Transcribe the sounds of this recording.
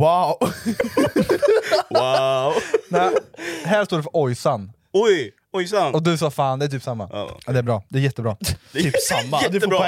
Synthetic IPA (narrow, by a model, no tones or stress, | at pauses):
waʊ | wa | nɛɦæːʂt̪oːɖɛfœɾɔjsan | ɔj | ɔjsanɔd̪ɵsɑːfaːnd̪ɛæt̪ʰyːpsamːa̰d̪ɛæbɾɑːd̪ɛæɾjɛt̪ːəbɾɑːyːpsamːad̪ɵfːəɔɾ